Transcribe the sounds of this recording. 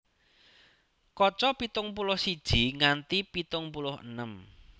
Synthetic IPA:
kɔt͡ʃɔpit̪ʊŋpulʊhsid̥ʒ̥i̤ŋant̪ipit̪ʊŋpulʊhə̰nəm

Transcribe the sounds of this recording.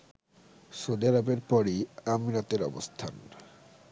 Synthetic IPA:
sod̪iaɾabeɾpɔɾiamiɾat̪eɾɔ̰bost̪ʰan

